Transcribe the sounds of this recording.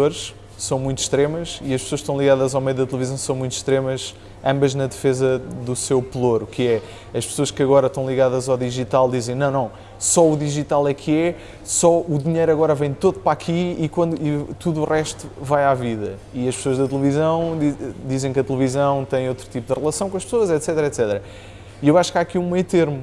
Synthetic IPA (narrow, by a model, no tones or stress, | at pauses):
oɾʃ | sɐ̃w̃mũj̃t̪ʃt̪ɾemɐʃiɐʃpsoɐʃkt̪ɐ̃w̃lˠiɣaðɐzawmejuðɐt̪lˠvizɐ̃w̃sɐ̃w̃mũj̃t̪ʃt̪ɾemɐʃ | ɐ̃mbɐʒnɐðɨfezɐðusewplˠoɾkʰɨɛ | ɐʃpsoɐʃkɐɣɔɾɐʃt̪ɐ̃w̃lˠiɣaðɐzawðiʒit̪alˠd̪izẽj̃nɐ̃w̃nɐ̃w̃ | sɔuðiʒit̪alˠɛkʰɛ | sɔuðiɲejɾɐɣɔɾɐvɐ̃j̃t̪oðupɾakʰiikwɐ̃nd̪uit̪uðuuʁɛʃt̪u̥vajaviðɐiɐʃpsoɐʒðɐt̪lˠɨvizɐ̃w̃d̪id̪izẽj̃kɐt̪lˠɨvizɐ̃w̃t̪ɐ̃j̃ot̪ɾut̪ipud̪ɨʁlˠɐsɐ̃w̃kõɐʃpsoɐzɛt̪sɛt̪ɾɐɛt̪sɛt̪ɾɐ | iewaʃu̥kaɐkiũmɐjt̪eɾmu